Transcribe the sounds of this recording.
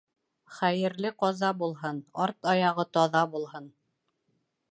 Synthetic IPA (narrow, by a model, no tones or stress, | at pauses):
χæjɘ̆ɾlɘqɒzɑbulˠɦɤnɑɾt̪ɑjɑʁɤt̪ɒðɑbulˠɦɤn